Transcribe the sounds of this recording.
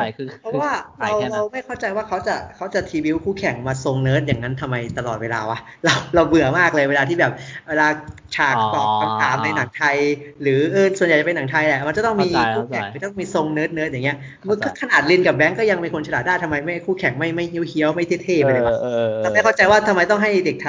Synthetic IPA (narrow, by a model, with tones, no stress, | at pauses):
pʰɔ˦˥waː˥˩ɾa˧wɾa˧wma˥˩jkʰa˥˩wt͡ɕa˧jwaː˥˩kʰa˦˥wt͡ɕa˨˩kʰa˦˥wt͡ɕa˨˩t̪ʰiː˧bi˦˥wkʰuː˥˩kʰɛ˨˩˦ŋmaː˧so˧ŋnɤː˦˥t̪̚jaː˨˩ŋa˦˥nt̪ʰa˧mːa˧jt̪a˧lɔ̰ː˨˩t̪̚weː˧la̰ː˧wa˦˥ɾa˧wɾa˧wbɯ˨˩əmaː˥˩k̚lɤː˧jweː˧laː˧t̪ʰiː˥˩bɛː˨˩p̚weː˧laː˧ | t͡ɕʰaː˧˩k̪ɔ̰˨˩p̚ka˧t̪aː˨˩˦mna˧jna˩˦ŋt̪ʰa˧jɾɯː˩˦ʔɤː˧˩su˨˩nja˨˩t͡ɕpe˧na˩˦ŋt̪ʰa˧jlɛ˨˩ma˧nt͡ɕa˨˩t̪ɔ˥˩ŋm˧iː˧kʰuː˥˩kʰɛ˨˩ŋ˨˧˩ja˨˩t̪ɔ˥˩miː˧so˧ŋnɤː˦˥t̪̚nɤ˦˥jaː˨˩ŋi˦˥ɐ | m˧kʰɯ˥˩kʰa˧naː˨˩t̪̚li˧nkaː˨˩p̚bɛ˦˥ŋkɔː˥˩ja˧ŋmiː˧kʰo˧nt͡ɕʰa˧naː˨˩daː˥˩t̪ʰmːa˧jma˥˩jkʰuː˥˩kʰɛ˨˩˦ŋma˥˩jma˥˩jhi˦˥əwhi˦˥əwma˥˩j̪ʰi˥˩t̪ʰeː˥˩pa˧a˧wa˧˩a˧a˧˩jkʰɔ˥˩t͡ɕa˧jwaː˥˩t̪ʰa˧mːa˧jt̪ɔ˥˩ŋɦa˥˩jde˨˩k̚t̪ʰ